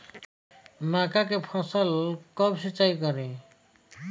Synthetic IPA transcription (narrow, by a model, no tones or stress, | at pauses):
makakepʰɔ̃sɔlkɔbsit͡ʃajkɔɾi